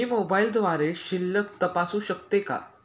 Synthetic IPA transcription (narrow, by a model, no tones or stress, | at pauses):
imobaild̪ʋaɾeɕilːəkt̪əpasuːɕəkt̪eka̰